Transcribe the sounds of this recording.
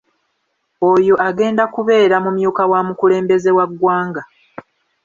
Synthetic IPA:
ojo̞ʔaɡe̞ːndakuβe̞ːɾamumjuːkawamukule̞ːmbe̞ze̞waɡːwaːŋɡa

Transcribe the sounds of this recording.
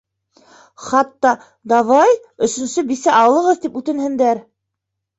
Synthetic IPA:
χɑt̪ːɑ | d̪ɑβɑj | ɵ̆sɵ̆nsɵbisæʔɑwlˠɤ̆ʁɤðt̪ipʉt̪ɘ̆nhɘ̆nd̪æɾ

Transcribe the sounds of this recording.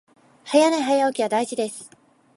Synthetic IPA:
hajanaiɦajaokʲiβad̪aiʑid̪esɨ̥

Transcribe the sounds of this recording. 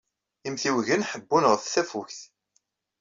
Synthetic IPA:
imθiwʝənħəbːunʁθθæfuçθ

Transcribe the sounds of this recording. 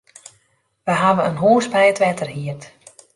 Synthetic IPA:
ʋəɦaʋənənɦoːsbɛjətʋɛtʰərɦiərt

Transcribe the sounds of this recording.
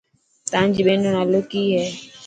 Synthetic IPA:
t̪ãːɲd͡ʒɓẽːnoːnãːloːkiːɦɛː

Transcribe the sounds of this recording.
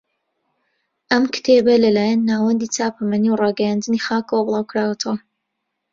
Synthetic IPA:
ʔɐmkɨ̥t̪ʰebɐlɐlaːjanːaːwɐnd̪iːt͡saːpʰɐmɐniwrɑːɡɛjand̪ɨnixaːkɐwɐblˠɑːwkɾaːwɐt̪ʰɐwɐ

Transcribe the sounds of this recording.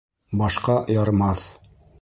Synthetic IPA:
bɑʃqɑjɑɾmɑθ

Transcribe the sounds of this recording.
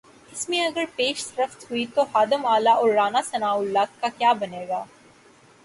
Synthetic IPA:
ɪsmẽɐɡəɾpeːʃsɾəft̪ɦʊit̪ohaːd̪əmaːlaʔɔːɾːaːnasɐnaːʊlːaːt̪̚kakjaːbɐneːɡaː

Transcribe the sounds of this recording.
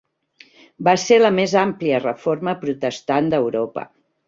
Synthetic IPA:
baseləmezampliərəforməpɾut̪əst̪and̪əwɾopə̰

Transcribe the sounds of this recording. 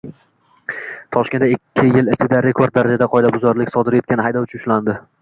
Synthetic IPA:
t̪ʰɒʃkʲe̞nd̪aɪkʲʰːɪjɪlɪt͡ʃʰɪd̪aɾe̞kʰo̞ɾd̪̚ːaɾad͡ʒad̪aqʰɒjd̪abʊzɒɾlɪkʲsɒd̪ɪɾje̞t̪kʲanɪhajd̪ɒwʊt͡ʃʰʊnʊ̥ʃland̪ɪ

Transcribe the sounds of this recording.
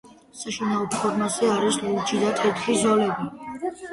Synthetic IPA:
saʃinaɔpʰɔɾmazɛaɾisluld͡ʒid̪at̪ʰʼɛt̪ʰχizɔlɛbi

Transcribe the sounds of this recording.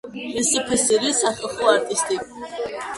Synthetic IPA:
ɛsəpʰɛsɛɾisaχəlˠχɔaɾt̪ʼist̪ʼi

